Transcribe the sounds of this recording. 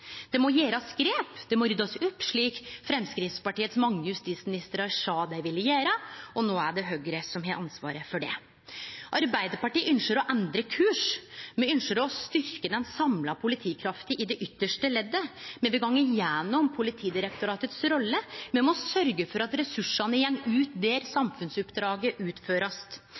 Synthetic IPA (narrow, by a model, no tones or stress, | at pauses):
d̪̥ɛmɔjeːɾɑskɾeːpd̪̥ɛmɔɾʏd̪ɔsʉp̪ʂɭiːkfɾɛmskɾɪːftspɑʈiːət̪smɑŋːəjʉst̪iːt̪smɪnɪst̪əɾɑɾʂɑːd̪æɪʋɪlːəjeːɾəɔnoːæɖɛɦœɡɾəsɔmɦeːʔɑnsʋɑ̰ːɾəfɔɖɛ̰ | ʔɑɾbæɪd̪əɾpɑʈiːʔʏnʃəɾɔʔɛnd̪ɾəkʰʉːʂmɛʏnʃəɾɔst̪ʏɾkəd̪ɛnsɑmlɑpʰʊlɪt̪ʰiːkʰɾɑft̪əʔɪd̪ɛʔʏt̪ːəʂʈəlɛd̪ːəmɛʋɪɡɑŋːɪjɛnːɔmpʰʊlɪt̪ʰiːd̪ɪɾəkt̪ʊɾɑːt̪ət̪sɾɔlːəmɛmɔsœɾɡəfɔɾɑt̪ɾɛsʉʂɑnəjɛŋːʉːt̪d̪eːɾsɑmfʉnsʉpd̪ɾɑːɡəʔʉːt̪føːɾɑst̪